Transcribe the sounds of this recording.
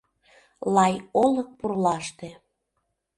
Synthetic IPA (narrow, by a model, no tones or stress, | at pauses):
lɑjolɤk̚purlɑʃt̪e